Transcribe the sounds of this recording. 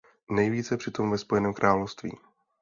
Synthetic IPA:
nɛjviːt͡sɛpr̥ɪt̪o̞mvɛspo̞jɛnɛːmkɾʔaːlofst̪vḭː

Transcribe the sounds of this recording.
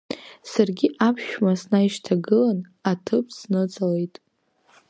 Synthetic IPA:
sarɡʲiʔapʰʃᶣmasnaiʃtʰaɡɨlan | atʰɨpʰsnɨt͡sʼale̞jtʼ

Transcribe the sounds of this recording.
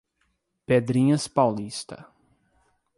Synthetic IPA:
ped̪ɾĩɲɐspawlist̪ɐ̰

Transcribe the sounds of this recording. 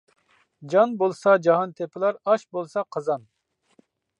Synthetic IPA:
d͡ʒɑnbolˠsɑd͡ʒɑɦɑnt̪ʰepʰɪlˠɑɾɑʃbolˠsɑqʰəzɑn

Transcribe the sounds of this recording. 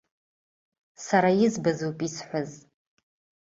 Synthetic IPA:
saɾajɪzbazowpʼisħʷaz

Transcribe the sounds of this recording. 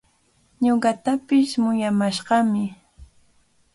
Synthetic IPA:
ɲoɢɑt̪apɪʃmʊjamaʃɢɑmɪ

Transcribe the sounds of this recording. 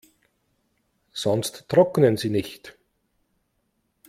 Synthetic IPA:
z̥ɔnstːʁ̥ɔknənziːnɪçt

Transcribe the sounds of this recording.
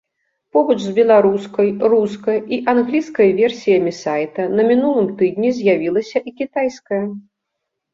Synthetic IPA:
pɔbɐt͡ʂzbʲɛlˠaɾuskɐjruskɐjiʔanɣlʲiskɐjvʲɛrsʲijɐmʲisajt̪ɐnɐmʲinulˠɨmt̪ɨd̪ʲnʲizʲjavʲilˠɐsʲɐʔikʲit̪ajskɐjɐ

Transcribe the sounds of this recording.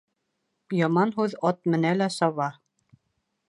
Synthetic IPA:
jɑmɑnɦʉðɑt̪̚mɘ̆nælæsɑβɑ

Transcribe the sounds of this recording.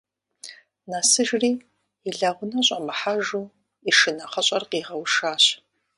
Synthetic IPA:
nasɨʒriː | iɮaʁʷʊnɐɕʼɐmɨħaʒuː | iʂɨnɐχɐɕʼɐrqiːʁɐwʂaːɕ

